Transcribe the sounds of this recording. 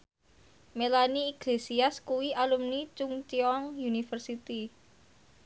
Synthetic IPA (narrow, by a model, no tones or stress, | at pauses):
melaniːɡ̥lesiaskuwiʔalumnit͡ʃʊŋt͡ʃiɔŋjunifərsit̪i